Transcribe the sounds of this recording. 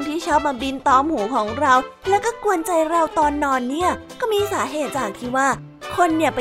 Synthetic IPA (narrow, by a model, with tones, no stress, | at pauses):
ŋt̪ʰiː˥˩t͡ɕʰɔː˦˥˩p̚maː˧bi˧nt̪ɔː˧˥mhuː˩˦kʰɔː˩˦ŋɾa˧wlɛː˦˥wkɔː˥˩ku˧ənt͡ɕa˧jɾa˧wt̪ɔː˧nːɔː˧nːi˥˩ɐkɔː˥˩miː˧saː˩˦ɦeː˨˩t̪̚t͡ɕaː˨˩k̚t̪ʰiː˥˩waː˥˩ | kʰo˧nːi˥˩ɐp